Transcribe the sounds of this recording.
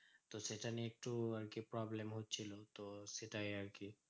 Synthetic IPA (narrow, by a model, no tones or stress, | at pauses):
t̪oseʈəneek̚ʈuɐɾkepɾɔːblemɦot̪̚t͡ʃʰilot̪oseʈaiəɾki